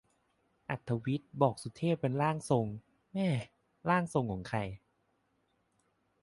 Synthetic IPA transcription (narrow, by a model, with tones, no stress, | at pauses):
ʔa˨˩t̪ʰːa˧wi˦˥t̪̚bɔː˨˩k̚su˨˦t̪ʰːeː˥˩ppːe˧nɾaː˥˩ŋso˧ŋ | mɛː˥˩ | laː˥˩ŋso˧ŋkʰɔː˩˦ŋkʰa˧j